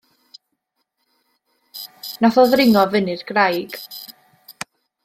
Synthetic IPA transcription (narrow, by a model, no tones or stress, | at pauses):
naθɔðrɪŋɔvɪnɨrɡrajɡ̥